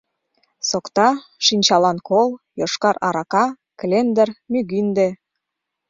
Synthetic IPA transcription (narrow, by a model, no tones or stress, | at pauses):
sokt̪ɑʃinʲt͡ɕɑlɑnkol | joʃkɑɾɑɾɑkɑ | klend̪ərmyɣynd̪e